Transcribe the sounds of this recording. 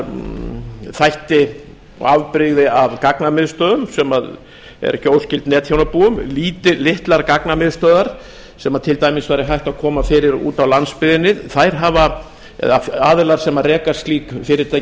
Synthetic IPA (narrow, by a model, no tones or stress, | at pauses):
θajht̪ɪ̰ | avpɾɪɣðɪavkaknamɪðst̪œːðʏmsɛmað | ɛ̰ɾçowscɪlt̪nɛːt̪çjownapuːʏmliːt̪ɪlɪht̪laɾkaknamɪðst̪œːðaɾ̥ | sɛmaðt̪ʰɪlt̪ajmɪsvajɾɪɦajht̪akʰɔːmafɪɾɪɾṵːt̪awlanspɪðɪnːɪθajɾ̥ɦava | ɛ̰ðafaːðʏlaɾ̥sɛmarɛːkḁst̪liːkfɪɾɪɾt̪aj